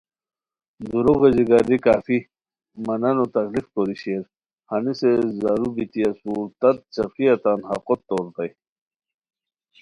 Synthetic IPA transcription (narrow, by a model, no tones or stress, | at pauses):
d̪uɾuɣeziɡaɾikaːfi | mɐnɐnot̪ɐklifkoɾiɕeːɾ | hanisezaɾubit̪iɐsuɾt̪ɐt̪̚t͡ɕɐfiɐt̪anha̰qot̪ːoːɾt̪ɐj